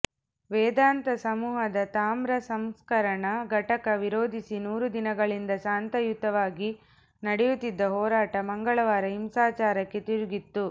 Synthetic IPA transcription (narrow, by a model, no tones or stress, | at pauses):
ʋɛːd̪aːnt̪ɐsɐmuːɦɐd̪ɐt̪aːmɾɐsɐmskɐɾɐɳɐɡʱɐʈɐkɐʋiɾoːd̪ʱisinuːɾud̪inɐɡɐɭind̪ɐʃaːnt̪ɐjut̪ːɐʋaːɡi | nɐɽɛjut̪ːid̪ːɐɦɔːɾaːʈɐmɐŋɡɐɭɐʋaːɾɐɦimsaːt͡ʃaːɾɐkːe̞t̪iɾuɡit̪ːu